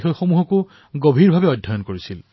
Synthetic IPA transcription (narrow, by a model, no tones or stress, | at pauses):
xojxomuɦɔkʊ | ɡobʱiɹbʱabɛɔjdʱːɔjɔnkoɹisil